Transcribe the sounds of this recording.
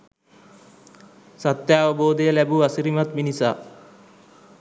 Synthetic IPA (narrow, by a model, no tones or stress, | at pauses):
sɐt̪jaːʋɐboːd̪ejɐlɛbuɐsiɾimɐt̪minisa̰ː